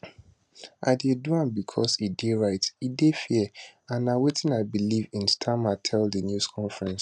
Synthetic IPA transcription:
a̰ɪdeduãmbikʰɔsideɹaɪtidefiãnawetʰɪ̃naɪbilivĩnstʰamatʰɛldənjuskʰɔ̃nfɹɛ̃ns

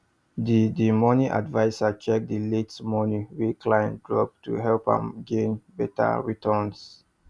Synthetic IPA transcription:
didimɔniʔa̰dvaɪsat͡ʃɛk̚diletmɔniwikʰlaɪjɛ̃nt̚dɹɔ̰p̚tʰṵɦɛlpã̰mɡẽnbɛta̰ɹitʰɔns

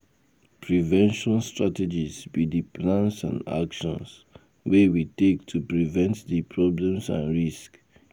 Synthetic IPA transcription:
pɹivɛ̃nʃɔ̃nstɹated͡ʒizbidiplãnsã̰nda̰kʃɔ̰̃ns | wewitek̚tʰupɹivɛ̃ntdipʰɹɔblɛ̃msã̰nɹisk

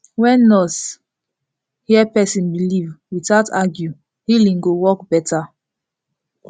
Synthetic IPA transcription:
wɛ̃nːɔs | hiɛpɛsĩnbilivwitataɡju | hilĩŋɡowɔkbɛtʰa

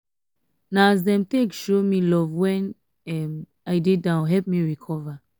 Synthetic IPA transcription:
naazdɛ̃mtekʃomilɔvwɛ̃n | ɛm | aɪdedãʊ̃nɦɛlp̚miɹikʰɔva

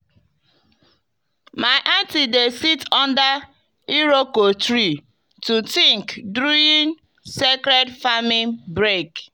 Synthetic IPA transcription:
maɪʔantidesitɔ̃nda | iɾokotɾi | tutĩŋkdɾuĩn | sekɾɛdfamĩbɾek

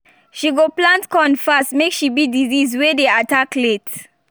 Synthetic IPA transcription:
ʃiɡoplãntkɔ̃nfastmekʃibidizizwedeataklet

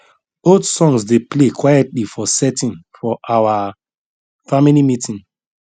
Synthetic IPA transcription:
odsɔ̃ŋsdeplekʰwajɛtlifɔsɛtĩnfɔʔawa | familimitĩn

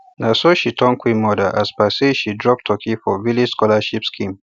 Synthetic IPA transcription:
nasoʃitʰɔ̃ŋkwimɔdaʔaspaseʃidɹɔp̚tʰɔkʰifɔvilid͡ʒskɔlaʃipskʰĩm

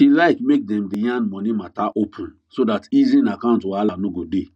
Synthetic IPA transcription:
hilaɪkmek̚dɛ̃mdijãnmɔnimataʔopʰũn | sodatizĩnakãʊ̃ntoalanoɡode

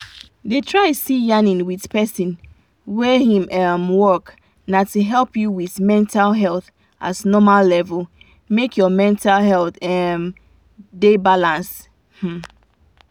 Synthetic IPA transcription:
detʰɹaɪsijanĩnwiðpɛsĩn | wɛhĩmɛmwɜk | natuɦɛlˠpjuwiðmɛ̃ntalˠɦɛlˠθ | ʔatnɔmalːɛvəl | mekjɔmɛ̃ntalɦɛlθɛm | debalãns | h̩

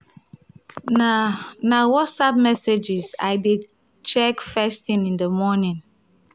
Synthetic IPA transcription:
nanawɔtsap̚mɛsed͡ʒiza̰ɪdid | t͡ʃɛkfɛstĩnĩndəmɔnĩn

